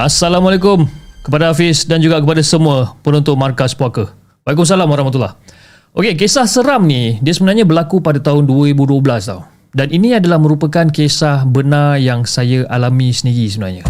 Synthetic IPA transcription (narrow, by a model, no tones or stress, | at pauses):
asalamalek̬ʊmkəpadaafɪsdand͡ʒuɡaʔkəpadasəmuəpənɔnt̪ʊnmarkaspuakə | waikʊms̬alamwaɾahmat̪̬ula̰h | ʔokek̬esahsəɾamnidiəsəbənarɲãbərlakupadat̪aɦʊnduəɾibuduəbəlast̪a̰ | daninĩadalahmə̃ɾupəkankesahbənarjaŋsajaʔalamĩsəniɾisəbəna̰ɲa